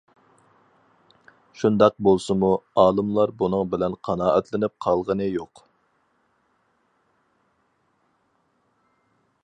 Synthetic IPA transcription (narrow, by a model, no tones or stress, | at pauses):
ʃund̪ɑq̚bolˠsɨmuɑːlˠɨmlˠɑɾbunɨŋbɪlɛnqʰɑnɑːʔɛt̪lɪnɪp̚qʰɑlˠʁənɨjoq